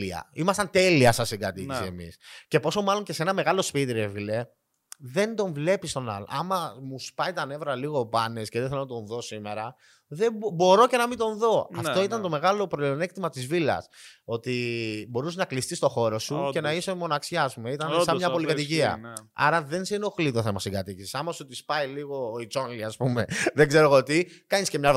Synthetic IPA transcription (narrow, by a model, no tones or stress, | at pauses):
iɐ̰imɐst̪ɐnt̪e̞liɐsɐsiɡɐt̪isiḛmḭsce̞po̞so̞mɐlo̞ɲce̞seenɐme̞ɣɐlo̞spit̪iɾevile̞ | ðe̞nd̪o̞ɱvle̞pist̪o̞nɐ̰l̰ɐ̰mɐmuspɐjt̪ɐne̞vɾɐliɣo̞pɐnesceðeθelonɐt̪o̞nðo̞sime̞ɾɐ | ðebbo̞ɾo̞ce̞nɐmit̪o̞nðo̞ɐ̰ft̪o̞it̪ɐnt̪o̞me̞ɣɐlo̞pɾoione̞kt̪imɐt̪izvilɐ̰so̞t̪ibo̞ɾuseznɐklist̪ist̪o̞xo̞ɾo̞suce̞nɐisemo̞nɐksçɐːspume̞it̪ɐnsɐmɲɐpo̞likɐt̪iciɐ̰ɐ̰ɾɐðe̞nseino̞xlit̪o̞θe̞mɐsiɡɐt̪icisisɐmɐsut̪ispɐjliɣo̞it͡so̞nliɐspume̞ðeɡze̞ɾoɣot̪ikɐɲiscemɲɐ